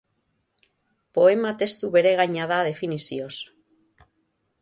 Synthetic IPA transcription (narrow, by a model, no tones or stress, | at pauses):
po̞e̞mat̪e̞st̪uβe̞ɾe̞ɣaɲaðað̞e̞finisio̞s